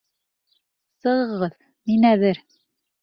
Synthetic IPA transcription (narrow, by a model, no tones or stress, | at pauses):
sɤ̆ʁɤ̆ʁɤð | minæðɘɾ